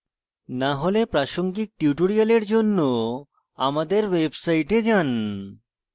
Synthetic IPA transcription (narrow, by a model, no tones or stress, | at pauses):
naɦolepɾaʃoŋɡik̚ʈjuʈoɾialeɾd͡ʑonːo | amad̪eɾwebsajʈed͡ʑan